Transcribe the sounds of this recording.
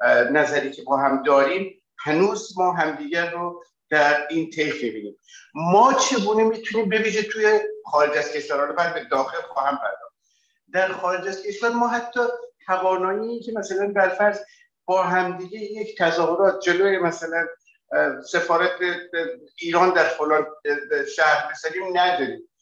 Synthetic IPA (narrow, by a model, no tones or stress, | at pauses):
næzæɾiːcʲʰe̞bɒːɦæmd̪ɒːɾiːm | hænuːzmɒːɦæmd̪iːɡærːo | d̪̥æɾiːnt̪ʰejfbibiːniːmmɒːt͡ʃʰe̞ɡuːnemiːt̪ʰuniːmbe̞viːʒet̪ʰuːjeχɒːɾed͡ʒæz̥kʰʲe̞ʃvæɾɒːnobæːd̪̚be̞d̪ɒːxe̞lxɒːhæmpʰæɾd̪ɒːχd̪̚ | d̪æɾxɒːɾe̞d͡ʒæzkʰe̞ʃvæɾmɒːɦæt̪ʰːɒːt̪ʰævɒːnɒːiːcʲʰemæsælænd̪æɾfæɾz | b̥ɒːɦæmd̪iːɡejecʰt̪ʰæzɒːɦoɾɒːt̪̚ʰd͡ʒe̞lojemæsælæn | se̞fɒːɾæt̪ʰeiːɾɒːnd̪æɾfolɒːnʃæhɾbezæɾiːmnæd̪ɒːɾiːm